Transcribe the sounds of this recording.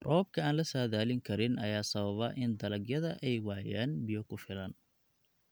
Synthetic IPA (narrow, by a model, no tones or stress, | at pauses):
rʔɔːb̚kʰɐaːnlɐsaːðaːlɪŋkʰɐɾɪnʔɐjaːsɐβɐβɐʔɪnd̪ɐlɐɡjɐðɐʔɛjwɑʕjaːnbɪjɔkʰʊfɪlɐn